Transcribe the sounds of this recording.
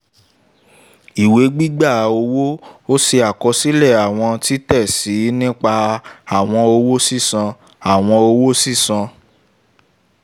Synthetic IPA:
i˨we˨˦ɡ͡bi˦ɡ͡ba˦˨o˧wo˦o˦se˧a˨kɔ˧si˦lɛ˦˨a˨w̃ɔ̃˧ti˦tɛ˦˨si˨˦nĩ˦k͡pa˧a˨w̃ɔ̃˧o˧wo˦si˦˨sã˧ | a˨w̃ɔ̃˧o˧wo˦si˦˨sã˧

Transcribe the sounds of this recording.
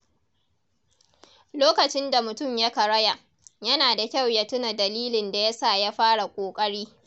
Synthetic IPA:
loː˦kɐ˨t͡ʃɪ˦nda˨mʊ˨tʊ˦˨mja˦ka˨ɽɐ˦ja˨ʔ | jɐ˦naː˨da˨kʲa˦˨wja˦tʊ˦na˨dɐ˨liː˦lɪ˨nda˨jɐ˦saː˦˨ja˦ɸaː˦ɽa˨kʷʼoː˨kʼɐ˦ɽiː˦

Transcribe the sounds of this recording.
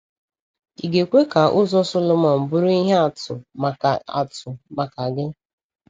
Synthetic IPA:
i˨ɡe˨kʷe˦ka˨ʔʊ˦zɔ˦sʊ˦lʊ˦mɔ˨m̩˨bʊ˦ɾʊ˦i˦ɦe˦a˨tʊ̰˨ | a̰˨tʊ˨ma˨ka˨ɡɪ˦

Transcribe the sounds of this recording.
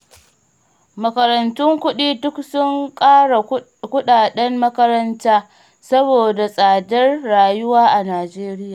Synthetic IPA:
mɐ˨kɐ˨ɾɐ˨ntʊ˦ŋkʷʊ˦ɗiː˦dʊ˦ksʊ˦ŋkʼaː˦ɽa˨ | kʷʊ˦ɗaː˨ɗɛ˦mːɐ˦kɐ˦ɾɐ˦ntaː˦ | sɐ˦boː˨da˨sʼaː˨dɐ˦rːaː˨jʊ˦waː˦ʔa˨naː˨d͡ʒeː˦ɾɪ˦jaː˨

